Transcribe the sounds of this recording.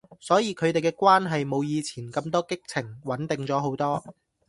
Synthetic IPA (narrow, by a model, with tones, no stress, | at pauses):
sɔː˨˥jiː˨˧kʰɵ˨˧ɥt̪e˨jkɛː˧kwaː˥nɦɐ˨jmo˨˧wjiː˨˧t͡sʰiː˨˩nkɐ˧mt̪ɔː˥kɪ˥k̚t͡sʰɪ˨˩ŋwɐ˨˥nt̪ɪ˨ŋt͡sɔː˨˥ɦo˨˥wt̪ɔː˥